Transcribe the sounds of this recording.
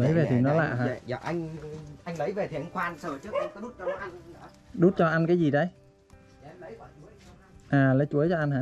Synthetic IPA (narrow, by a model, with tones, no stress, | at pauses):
lə˨˦jve˨˩t̪ʰi˨˩nɔ˨˦la̰ː˧˨ɦaː˧˨a̰˧˩ʔa˧jŋ̟ʔa˧jŋ̟lə˨˦jve˨˩t̪ʰi˨˩ə˧˦nxwaː˧nsəː˧˩t͡ɕɨ˦˥ək̚ʔa˧ŋkɔ˨˦ɗu˦˥t̚t͡ɕɔ˧ɔ˨˦˧ | ɗu˦˥t̚t͡ɕɔ˧ʔa˧nkaː˨˦jzi˨˩ɗə˧j | ʔaː˨˩lə˨˦jt͡ɕu˨˦əjt͡ɕɔ˧ʔa˧nhaː˧˨